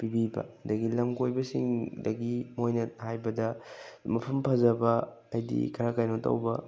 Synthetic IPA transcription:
pibibɐ̰dɐɡilɐmkojbɐsḭŋdɐɡimojnɐhajbɐdɐmɐpʰɐmpʰɐzɐbɐː | jdḭkʰɐɾakajnotɐ̰wbɐ

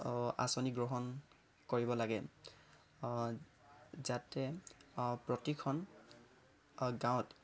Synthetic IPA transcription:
a̰sɔniɡɹɔɦɔn | koɹibɔlaɡɛ | zatɛ | pɹɔtikʰɔn | ɡãʊ̃t

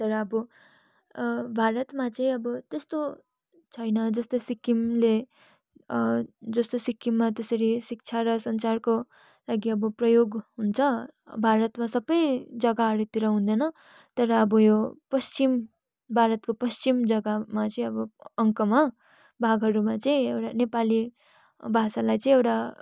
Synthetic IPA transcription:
t̪ʌɾʌːbʌ | bʱaɾʌt̪mat͡sʌĩʌbʌt̪est̪o | t͡sʰʌjnʌd͡zʌst̪osikimle | d͡zʌst̪osikːimːat̪esʌɾisik̚t͡sʰaɾʌsʌnt͡sarko | laɡiʌbʌprʌjoɡɦunt͡sʰʌbʱaɾʌt̪masʌbʌjd͡zʌɡaɦʌɾut̪iɾʌɦũnd̪ʌnʌ | t̪ʌɾʌːbʌjopʌst͡sim | bʱaɾʌt̪kopʌst͡simd͡zʌɡamat͡sʌĩʌbʌʌŋkʌma | bʱaɡɦʌɾumat͡sʌĩewʈanepali | bʱasalajt͡sʌĩewʈa

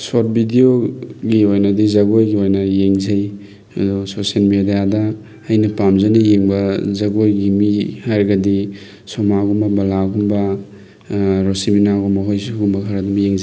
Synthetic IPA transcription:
sot̚bidioɡiojnɐdizɐɡojɡiojnɐjeŋzɐj | ɐdososielmedijadɐː | jnɐpamzɐnɐjeŋbɐzɐɡojɡimihajɾɡɐdi | sɔmaɡumbɐbɐlaɡumbɐ | ɾosiminaɡumbɐɦojsuɡumbɐkʰɐɾɐdumbjeŋzaj

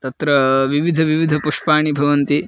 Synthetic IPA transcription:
t̪ɐt̪ɾɐʋiʋid̪ʱɐʋiʋid̪ʱɐpuʂpaːɳibʱɐʋɐnt̪i

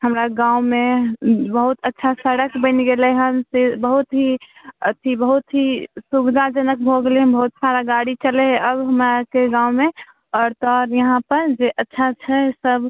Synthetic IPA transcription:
ɦəmɾaɡãːũmẽbəɦut̪ətːʃʰasəɽəkbə̃nɡeleɦənsebəɦut̪ɦiət̪ʰibəɦut̪ɦisubd̪ʱad͡ʒənək̚bʱoɡleɦbəɦut̪saɾaɡaɽit͡ʃəleɦɛʔəbɦəmɾakeɡãːume | ɔːɾt̪ɔɾjəɦãpəɾd͡ʒeʔətːʃʰat͡ʃʰɛsəb

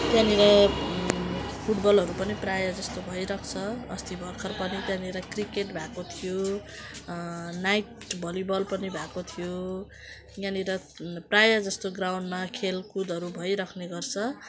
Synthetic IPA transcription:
t̪janiɾʌ | pʰuʈbʌlɦʌɾupʌniprajad͡zʌst̪obʱʌjɾʌkʰt͡sʰʌʌst̪ibʱʌrkʰʌrpʌnit̪jãniɾʌkrikeʈbʱakot̪ʰijo | najʈ | bʱʌlibʌlpʌnibʱakot̪ʰijo | janiɾʌ | prajad͡zʌst̪oɡrawɳɖmakʰelkud̪ʱʌɾubʱʌjɾʌkʰneɡʌrt͡sʰʌ

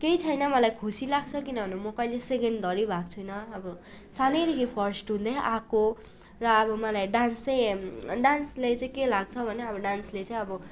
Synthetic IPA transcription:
kejt͡sʰʌjnʌmʌlajkʰusilaɡt͡sʰʌkinʌbʱnumʌkʌileseɡeɳɖd̪ʌɾibʱak̚t͡sʰujnʌːbʌ | saneɾiɡipʰʌrsʈɦũnd̪ʌjʔako | rʌːbʌmʌlajɖansʌjɖanslet͡saĩkelaɡ̚t͡sʰʌbʱʌneʌbʌɖanslet͡saĩʌbʌ

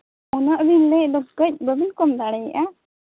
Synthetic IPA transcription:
ɔnaʔbinlɛʔd̪ɔb̚kəc̚bəbinkɔmd̪aɽɛj̰ʔa

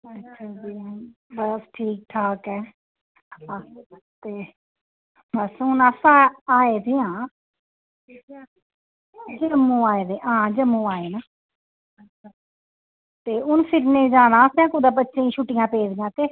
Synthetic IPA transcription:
ətːʃʰaːd͡ʒiːbəsʈʰiːk̚ʈʰaːkɛː | a | t̪eː | məsuːnasãːaːeːd̪eːãː | d͡ʒəmːũːaːeːd̪eãːd͡ʒəmːũːaːeːnaː | ətʃʰaː | t̪eːʊnpʰɪɾnẽd͡ʒaːnãːsãːkõːd̪aːbətːʃẽːĩːʃuːʈɪjãːpeːd̪ɪjãːt̪eː

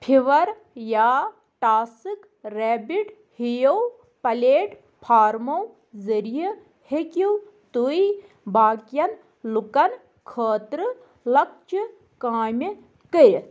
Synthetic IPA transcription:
pʰiʋɐɾ | jaː | ʈaːsɨk | ɾeːbiʈ | hijow | pɐleːʈ | pʰaːɾmow | zɐɾijɐ | hekuw | t̪ui | baːkjɐn | lukɐn | kʰəːt̪ɾɨ | lɐk̚t͡ʃɨ | kaːmʲi | kəɾ

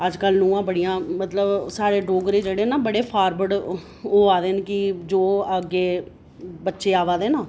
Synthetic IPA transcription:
əd͡ʒkəlnũːãːbəɽijãːmət̪ləbsaːɾeːɖoːɡɾeːd͡ʒeːɽeːnaːbəɽeːpʰaːɾbəɽ | oːaːd̪eːnkɪd͡ʒoːəɡːeː | bətːʃeːaːʋaːd̪eːnaː

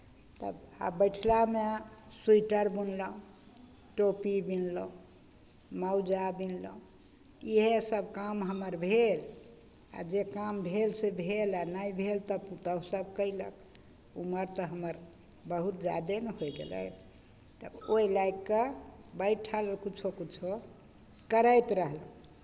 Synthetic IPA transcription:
t̪ə̰ba̰bəjʈʰlamesuiʈəɾbunləũ | ʈopibinləũ | mawd͡ʒabinləũ | iɦesəbkamɦəməɾbʱel | a̰d͡ʒekambʱelsebʱelanajbʱelt̪əput̪əsəbkəilə̰k | uməɾt̪əɦəməɾ | bəɦut̪d͡ʒa̰d̪enəɦojɡḛlə̰j | t̪əboilakːebəjʈʈʰaləkit͡ʃʰokit͡ʃʰo | kəɾəjt̪ɾəɦlə̃

